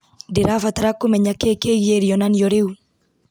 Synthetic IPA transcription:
dɪɾafat̪aɾakːumɛɲakekeɣieɾiɔnanjɔɾeu

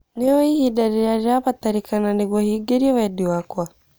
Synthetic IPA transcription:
niɔihiɗaɾijaɾaβat̪aɾikananiɣwahiɡɛɾiɔwaɗiwakwa

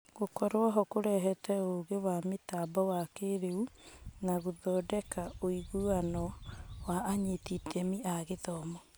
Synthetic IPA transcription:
ɣokɔɾwaɦɔkoɾɛɦɛtɛoːɣewametabɔwakeɾeunaɣoðɔːdɛkaoiɣuanɔwaːɲetitʰɛmiʔaɣeðɔmɔ

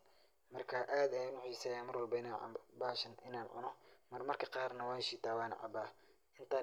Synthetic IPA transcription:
mɐrkʰaːʔaːd̪ɛjʊnʊħiːsɐjaːnmɐrwɐlbɛnaʕ̰baːʃɐnʔɪnaːnʕʊ̰nɔmɐrmɐrkʰɐqɑːrnɐwɑːʃiːt̪ʰaːwɑːnɐ̰ʕɑ̰baː | ʔɪnt̪ʰaː

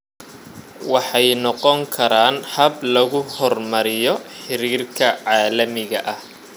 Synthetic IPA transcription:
wɑħɑjnɔqɔŋkʰɐɾaːnhɐblɐɣʊhɔrmɐɾɪjɔħɪɾiːrkʰɐʕɑːlɐmɪɣɐʔɐh

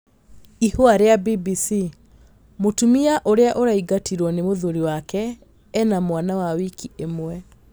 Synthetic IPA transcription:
ihoaɾeabibisi | motumiaʔoɾeaʔoɾaiɡatiɾwɔnemoðoɾiwakɛː | namwanawawikiemwɛ

